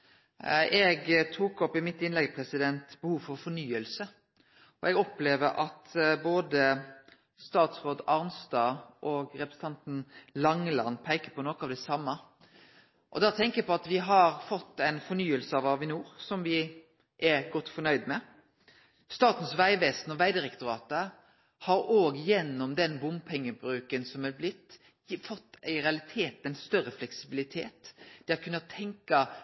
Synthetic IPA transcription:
ɛɡt̪ʰuːkɔpɪmɪt̪ːɪnlɛɡpʰɾɛsɪd̪ɛnt̪bəhuːʋfɔɾfɔnyːəlsə | ɔʔɛɡɔpleːʋəɾʔɑt̪boːd̪ə | st̪ɑːt̪sʁoːd̪ɑʁnst̪ɑːʔɔːɡɾɛpɾəs̩ət̪ʰɑnt̪n̩lɑŋlɑ̰npʰæɪkəpɔnɔkɑʋd̪ɛsɑmːə | ʔɔ̰d̪ɑːt̪ʰɛŋkəpɔɑt̪ʋɪɦɑɾfɔt̪ːæɪnfɔnyːəlsəɑʋɑʋɪnuːɾsɔmʋɪ | ʔɛɾɡɔt̪ːfɔɳœʏd̪mɛ | st̪ɑːt̪n̩sʋæɪʋeːsnɔʋæɪd̪ɪɾɛkt̪ʊɾɑːt̪ə | hɑɾoːɡjɛnːɔmd̪ɛnbʊmpʰɛŋːəbɾʉːkənsɔmɛɾblɪt̪ː | fɔt̪ːæɪɾɛɑlɪt̪ʰeːt̪ɛɪnst̪œɾəflɛksɪbɪlɪt̪ʰḛːt̪d̪̥ɛɑt̪kʰʉnːɑt̪ʰɛŋkɑ

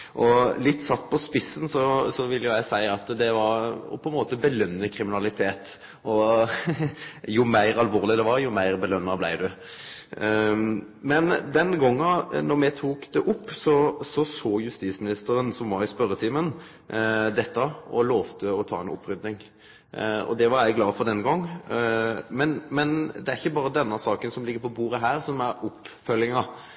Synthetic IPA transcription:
ʔɔlɪt̪ːsɑt̪ːpʰɔspɪsːənsɔsɔʋɪlːəjʊjæɪsæɪɑt̪d̪ɛʋɑɾɔ̰pʰɔɛnmoːt̪əbəlœnːəkʰʁɪmɪnɑlɪt̪ʰeːt̪ | ɔ | jʊmæɪɾɑlʋoːʁlɪd̪ɛʋɑɾjʊmæɪʁbəlœnːɑblæ̰ɪd̪ʉ | mɛnd̪ɛnɡɔŋːənɔɾmɛt̪ʰuːkd̪ɛʔʊpːsɔsɔsoːjʉst̪iːsmɪnɪst̪əɾənsɔmʋɑɪspœɾət̪ʰɪːmən | d̪ɛt̪ːɑʔɔloːʋt̪ʰəɔt̪ʰɑ̰ːɛnʊ̰pːɾʏd̪nɪŋ | ɔ̰d̪ɛʋɑɾæɪɡlɑːfɔʁd̪ɛnɡɔŋː | mɛnmɛnd̪ɛæɾɪçːəbɑːɾəd̪ɛnːɑsɑːkənsɔmlɪɡːəɾpʰɔbuːɾəɦæːɾsɔmæɾʊpfœlɪŋɑ

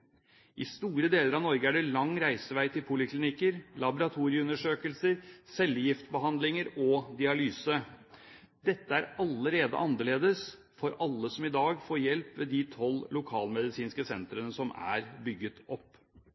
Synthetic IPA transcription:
ʔɪst̪uːɾəd̪eːləɾɑʋnɔɾɡəæɖɛlɑŋːɾæɪsəʋæɪt̪ʰɪlpʰʊlɪkʰlɪnɪkəɾlɑbʊɾɑt̪ʰuːɾɪəʉnːəʂøːkəlsəɾsɛljɪft̪bəɦɑnd̪lɪŋəɾɔd̪ɪɑlyːsə | d̪ɛt̪ːəæɾɑlːəɾeːd̪ə̰ʔɑnd̪əleːd̪əs | fɔɾɑlːəsɔmɪd̪ɑːɡfoːjɛlpʋeːd̪it̪ʰɔllʊkʰɑːlmɛd̪ɪsiːnskəsɛnt̪ɾənəsɔmæ̰ɾbʏɡːət̪ɔpː

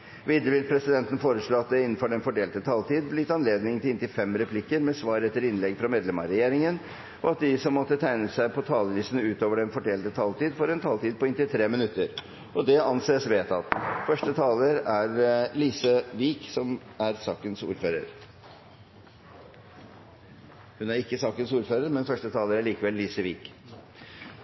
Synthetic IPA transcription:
ʋiːd̪ɾəʋɪlpʰɾɛsɪd̪ɛnt̪ən̩foːɾəʂɭoːɑt̪̚d̪ɛɪnːn̩fɔɖɛnfɔɖeːlt̪ət̪ʰɑlt̪iːd̪blɪɪt̪ɑnleːd̪nɪŋt̪ɪɪnt̪ɪfɛmɾɛpʰlɪkːəɾmɛsʋɑːɾɛt̪ːəɾɪnlɛɡfɾɑmeːd̪lɛmɑɾɛjeːɾɪŋən | ʔɔɑt̪̚d̪ɪsɔmːɔt̪ːət̪ʰæɪnəsæɪpʰɔt̪ʰɑːləʋiːsənʉːt̪oːʋəɖɛnfɔɖeːlt̪ət̪ʰɑːlt̪iːd̪fɔɾɛnt̪ʰɑːlt̪iːd̪̚pɔɪnt̪ɪlt̪ʰɾeːmɪnʉt̪ːəɾ | ʔɔd̪ɛɑnseːsʋeːt̪ɑt̪fœʂʈət̪ʰɑːləɾæɾliːsəʋiːksɔmæɾsɑːkənsṵːɾføːɾə̰ɾ | hʉnæɾɪkːəsɑːkənsuːɾføːɾəɾmɛnfœʂʈət̪ʰɑːləɾæɭiːkəʋɛlːiːsəʋiːk

